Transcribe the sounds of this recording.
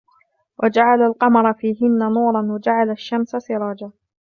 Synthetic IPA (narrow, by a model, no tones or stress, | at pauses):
wʔad͡ʒaʕalalqɑmɑɾˤɑfiːɦɪnːanuːɾˤɑnwad͡ʒaʕalaʃːamsasɪɾˤɑːd͡ʒaː